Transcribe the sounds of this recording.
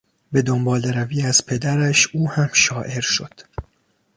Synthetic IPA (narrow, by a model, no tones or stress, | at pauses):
be̞d̪o̞mbɒːleɾæviːæz̥pʰe̞d̪æɾæʃuːhæmʃɒːʔe̞ɾʃo̞̰d̪̥